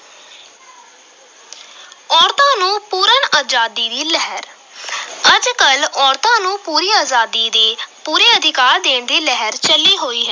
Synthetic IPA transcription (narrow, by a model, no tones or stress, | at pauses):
ɔːɾt̪ãːnũːpuːɾənaːd͡ʒaːd̪iːd̪iːlɛɦəɾ | əd͡ʒkəlɔːɾt̪ãːnũːpuːɾiːaːzaːd̪iːd̪eːpuːɾeːəd̪ʱɪkaːɾd̪eːɳd̪iːlɛɦəɾt͡ʃəlːiːɦoːiːɦɛ